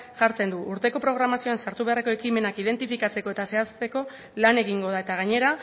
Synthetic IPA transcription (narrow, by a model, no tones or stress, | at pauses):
ʝaɾt͡se̞nd̪uʔuɾt̪e̞ko̞pɾo̞ɣ̞ɾamasio̞ansaɾt̪uβareko̞e̞kime̞nakiðe̞nt̪ifikat͡se̞ko̞e̞t̪ase̞ast̪e̞ko̞ | lane̞ɣiŋɡo̞ð̞ae̞t̪aɣ̞aɲe̞ɾa